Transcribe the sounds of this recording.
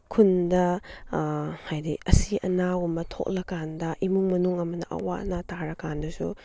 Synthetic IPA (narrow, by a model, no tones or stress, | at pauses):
kʰundɐ | hajdḭɐsiʔɐnawumɐtʰo̰k̚lɐkandɐʔimuŋmɐnuŋɐmɐnɐʔɐ̰waʔnataɾɐkandɐsu